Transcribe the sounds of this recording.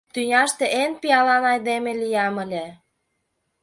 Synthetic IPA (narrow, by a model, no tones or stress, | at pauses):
t̪ynʲɑʃt̪eʔenpijɑlɑnɑjd̪emĕlijɑməlʲĕ